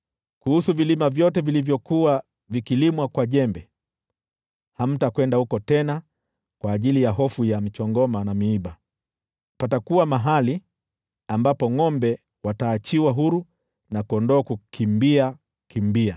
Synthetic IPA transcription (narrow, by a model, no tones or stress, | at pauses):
kuhusuvilimavjɔtɛvilivjɔkuwa | vikilimwakwaʄɛmbɛ | ham̩takwɛndahukɔtɛna | kwaːʄilijaɦɔfujamit͡ʃɔŋɡɔmanamiiɓa | patakuwamaɦali | ambapɔŋɔmbɛ | wataːt͡ʃiwaɦuɾu | nakuɔndɔːkukʰimbia | kimbia